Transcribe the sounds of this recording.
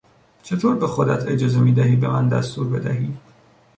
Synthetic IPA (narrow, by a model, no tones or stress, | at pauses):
t͡ʃʰe̞t̪ʰoːɾbe̞xod̪æt̪ʰe̞d͡ʒɒːze̞miːd̪æɦiːbe̞mænd̪æ̰st̪uːɾbe̞d̪æɦiː